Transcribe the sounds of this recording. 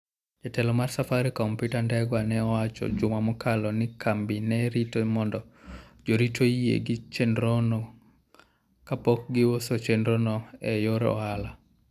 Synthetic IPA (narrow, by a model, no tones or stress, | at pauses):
d͡ʒatɛlɔmarsafaɾikɔmputandɛɡwanɛɔwat͡ʃɔ̰d͡ʒʊmamɔkʰalɔnɪkʰambinɛɾitomɔndɔd͡ʒoɾitʰoiḛɡɪt͡ʃendɾono | kapɔk̚ɡɪwosot͡ʃendɾonɔɛjoɾɔ̰ala